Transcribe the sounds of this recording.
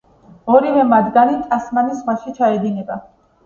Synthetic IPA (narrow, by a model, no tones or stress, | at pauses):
ɔɾivɛmad̪ɡanit̪ʼasmanisʁwaʃit͡ʃʰaɛd̪inɛba